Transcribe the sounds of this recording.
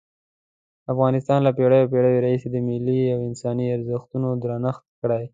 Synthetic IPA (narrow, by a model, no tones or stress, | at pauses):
afɣɑnɪst̪ɑnlapeɽəjawp̬eɽəweɾɑhised̪əmɪliawɪnsɑniaɾzəxt̪unod̪ɾɑnəxt̪kɽaj